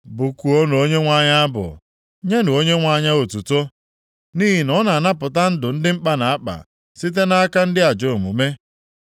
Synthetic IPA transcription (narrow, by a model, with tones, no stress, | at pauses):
bʊ˨ku˨o˦no˨o˦ɲe˦ŋʷa˦ɲa˦a˦bʊ̰˨ | ɲe˦nʊ˨o˦ɲe˦ŋʷa˦˨ɲa˦o˨tu˨to˦ | niː˦ɦi˨nɔ˦na˨na˦pʊ˨ta˦n̩˦dʊ˨n̩˦dɪ˦m̩˦k͡pa˦na˨a˦k͡pa̰˨ | si˦t̬e˦na˦a˦ka˦n̩˦dɪ˦a˨d͡ʒo˨mṵ˨me˦